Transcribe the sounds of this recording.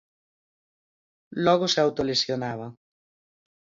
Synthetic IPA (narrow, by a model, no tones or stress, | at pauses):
lɔɣoseawt̪olesjonaβ̞a